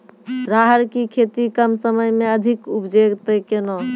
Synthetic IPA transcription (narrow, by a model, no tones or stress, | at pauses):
ɾaɦəɾkikʰet̪ikəmsəməjmeəd̪ʱikupd͡ʒeɡt̪əjkeno